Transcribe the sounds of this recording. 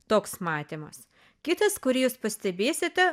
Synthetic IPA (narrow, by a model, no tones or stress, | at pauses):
t̪oːksmɑːt̪ʲeːmɐ̰s | kʲɪt̪ɐskʊɾʲjuːspɐsʲt̪ʲɛbʲeːsʲɪt̪ʲɛ